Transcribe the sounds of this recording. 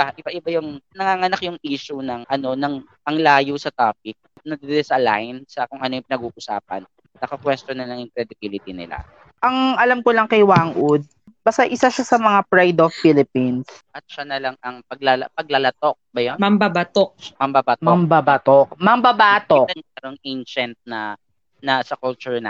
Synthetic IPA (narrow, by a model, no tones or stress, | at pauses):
ɪbaʔɪbaʔɪbajʊŋnɐŋaŋɐnakjʊŋʔiːʃunɐŋʔɐno̞nɐŋ | ʔɐŋlaːjusɐt̪aːp̚ɪk̚nɐd̪ɪd̪ɪlɛsɐla̰jnsɐkʊŋʔɐnojpɪnɐɡuːʔʊsa̰ːpɐ̰n | nɐkɐkwɛst̪onːɐlɐŋjʊŋkɾɛd̪ɪbilɪt̪inɪ̰la̰ | ʔɐŋʔɐlamkolɐŋkɐjwaŋʔud̪̚ | bɐst̪aʔɪsaʃasɐmɐŋapɹajd̪offilɪpinsʔɐt̪̚ʃanɐlaŋɐŋpɐɡ̚lalpɐɡ̚lɐlɐt̪ok̚bɐjomɐmbabat̪ok̚mɐmbabaːt̪mɐmbabat̪okmɐmbɐbaːt̪oɐnɛɾoŋʔejnʃɐnt̪̚nɐ | nɐsɐkult͡ʃʊɹnɐ̰